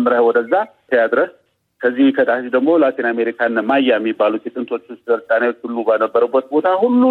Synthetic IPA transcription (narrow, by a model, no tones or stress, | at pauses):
mɾəhwɔd̪əzːat̪ʰəjad̪ɾəs | kʰəzːihkʰəd̪aʃid̪əɡmolat̪ʰiname̞ɾikʰanmajːajmːibːalut̪jɛt̪ʼɨnt̪ʰo̞t͡ʃːst̪əɾt̪ʼanawo̞t͡ʃːhulːubanəbːəɾəbːət̪̚bo̞t̪ʰahulːu